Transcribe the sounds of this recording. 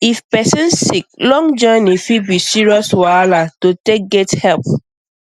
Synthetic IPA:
ifpɛsĩnssik̚lɔ̃ŋd͡ʒɔnifibisiɹiɔswalatotek̚ɡɛthɛlp

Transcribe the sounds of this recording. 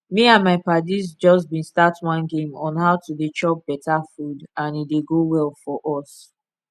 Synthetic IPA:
miãnmaɪpadizd͡ʒɔs̬bĩnstatwɔ̃nɡẽmɔ̰̃nhaʊtudet͡ʃɔp̚b̥ɛtʰafudãnideɡowɛlfɔʔɔs

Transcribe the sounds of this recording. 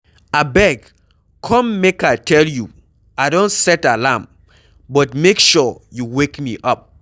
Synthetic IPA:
abɛɡ | kʰɔ̃mːekaɪtʰɛlju | aɪdõntsɛtalãm | bɔtmekʃɔjuwekmiʔɔp̚

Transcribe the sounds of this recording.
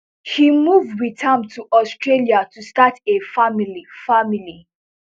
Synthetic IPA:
himuvdwitʰãmtʰuʔɔstɹeliatʰustatefamilifamili

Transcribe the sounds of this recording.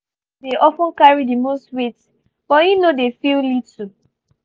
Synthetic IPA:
deʔɔfə̃nkaɹidimostwet | b̥ɔjunodefillitu

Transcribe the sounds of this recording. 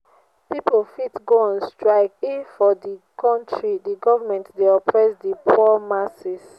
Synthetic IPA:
pipolfitɡoãnstɹaɪkifɔdikʰɔ̃ntʰɹidiɡɔvamɛ̃ntdeɔpʰɹɛsdipʰɔɔmasis

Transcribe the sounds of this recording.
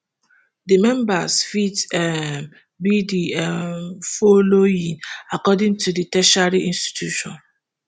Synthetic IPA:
dimɛ̃mbasfitɛ | bidiɛfɔloĩŋakɔdĩŋtʰuditɛʃaɹiʔĩnsti̥tjuʃɔ̃n

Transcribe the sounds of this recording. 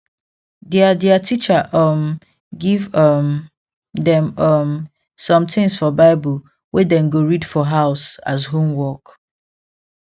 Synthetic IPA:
dɛadɛatʰit͡ʃaʔʌm | ɡivʌm | dɛ̃mʌm | sɔ̃mt̪ʰɪ̃ŋsfɔbaɪbəl | wɛdɛ̃nɡoɹidfɔɦaʊsazɦũmwɔk

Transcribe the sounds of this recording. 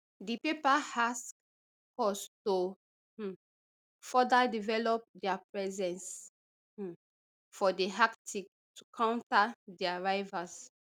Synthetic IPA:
dipepahask | kɔsto | fɔdadivɛlɔp̚dɛapɹɛzɛ̃ns̩ | fɔdeɦaktʰik̚ | tukʰãw̃ntadɛaɹaɪvas

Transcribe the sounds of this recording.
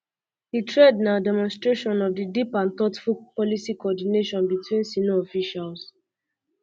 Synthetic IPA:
hitɹednaʊdɛmɔ̃nstɹeʃɔ̃nɔvdidipãntɔtfupɔlisikɔɔdineʃɔ̃nbitwĩnsinoɔfiʃals

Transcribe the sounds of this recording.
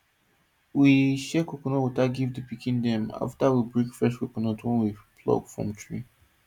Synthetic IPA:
wiʃɛkokɔnɔwutaɡivdəpikĩndɛ̃ma̰ftawibɹikfɛstkokɔnɔtʰwɛ̃nwipʰlɔ̰ɡfɹɔ̰̃mtʰɹḭ

